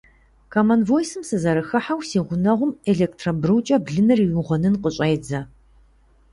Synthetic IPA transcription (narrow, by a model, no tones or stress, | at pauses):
kʰɐmɐnvojsɨmsɨzɐɾɨxɐħawsiːʁʷʊnɐʁʷʊmeɮeːk̚tʰrɐbrɨwt͡ʃʼɐbɮɨnɨriwʊʁʷɐnɨnqəɕʼɐjd͡zɐ